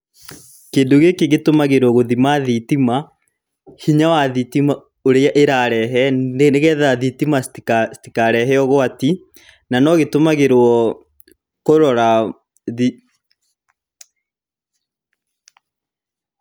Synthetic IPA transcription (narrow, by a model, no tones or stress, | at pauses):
kendoɣekeɣetomaɣeɾwɔɣoðimaðitima | hiɲawaðitima | oɾeaʔeɾaɾɛɦɛeneɣɛðaðitimasti̥kaɾɛɦɛɔɣoati | nanɔɣetomaɣeɾwɔ | koɾɔɾa | ði